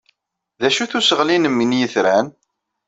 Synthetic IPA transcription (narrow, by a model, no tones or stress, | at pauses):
ðæʃuθusəʁlinəmːinjəθɾæn